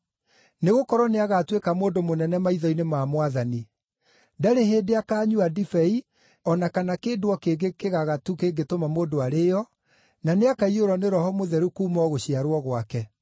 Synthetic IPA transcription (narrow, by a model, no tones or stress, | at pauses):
neɣokɔɾɔneaɣatwekamoːndomonɛnɛmaiðɔinemaːmwaðani | daɾeɦeːdeakaːɲuadifɛi | ɔnakanakeːdowɔkeɡekeɣaɣatukeɡetomamoːdoaɾeːɔ | naneakaioɾɔneɾɔhɔmoðɛɾukuːmɔɣoɕiaɾwɔɣwakɛ